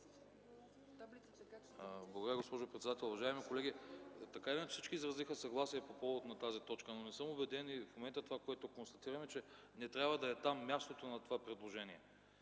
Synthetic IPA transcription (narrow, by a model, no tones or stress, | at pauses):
blˠɐɡod̪ɾvaɡospɔʒopɾɛt̪d̪at̪ɛlˠʊvɐʒaɛmikolɛɡ̟it̪ɐkaivʲɛnfsit͡ʃkiːzɾɐzixəsɐɡlˠasiɛpopɔvot̪nɐt̪azit̪ɔt͡ʃkənonɛsɤmobɛd̪ɛnifmomɛnt̪ət̪ovakoɛt̪okonst̪ɐt̪iɾɐmɛt͡ʃɛ | nɛt̪ɾʲabvɐd̪ɐɛt̪amːʲjast̪ot̪onɐt̪ovapɾɛd̪lˠoʒɛniɛ